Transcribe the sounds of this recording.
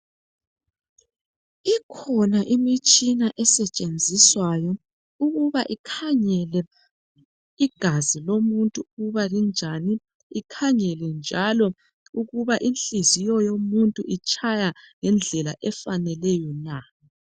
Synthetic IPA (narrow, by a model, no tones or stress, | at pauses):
ikʰɔnaʔimit͡ʃʼinaʔɛsɛt͡ʃʼend͡zʱiswajɔ | uɣuβaʔikʰaɲɛlɛ | iɡ̥ʱazilomuntʼuuβalind͡ʒʱani | ikʰaɲɛlɛnd͡ʒʱalɔ | uɣuβaʔinɬizijɔjomuntʼuʔit͡ʃʰʼajaŋɛnd͡ɮʱɛlaʔɛfanɛlɛjɔna